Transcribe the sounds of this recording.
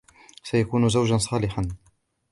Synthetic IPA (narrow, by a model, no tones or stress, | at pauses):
sajakuːnʊzawd͡ʒansˤɑːlɪħan